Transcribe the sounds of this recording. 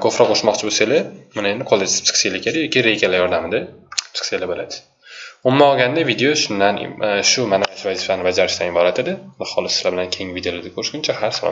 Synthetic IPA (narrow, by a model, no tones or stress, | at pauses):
kʰofɾaqʰoʃmɒqt͡ʃʰɪboselamanaenɪqʰolˠːed͡ʒ̪̥psɨ̥kselakʰʲad̪ɪjɒkʲiɾejkʰʲalajɒɾd̪amɪd̪asɨ̥kselabolad̪ɪ̥ | ʊmːaɒɡʲand̪avid̪ejoʃʊnd̪an̰ʃʊmanaɪʃvazifanɪbad͡ʒaɾɪʃt̪anɪbɒɾat̪ʰed̪ɪd̪aχɒlˠɪsselabɪlankʲʰe̞ŋvid̪eolad̪akʰoɾɪʃɡʲʊnt͡ʃʰahaɾsalˠɒ̰